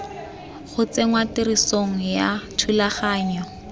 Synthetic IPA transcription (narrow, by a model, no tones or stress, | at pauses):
χʊt͡seŋwatɪɾisoŋ̩jatʰulaχaːɲɔ